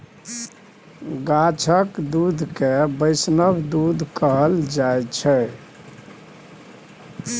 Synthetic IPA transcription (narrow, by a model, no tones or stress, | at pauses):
ɡat͡ʃʰəkd̪ud̪ʱkebəɪsnəbd̪ud̪ʱkəɦəld͡ʒajt͡ʃʰɛ